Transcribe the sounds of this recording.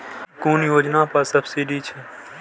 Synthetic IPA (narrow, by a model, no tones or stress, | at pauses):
kuːnjoːd͡ʒnaːpɐsəbsiɖiːt͡ʃʰɛ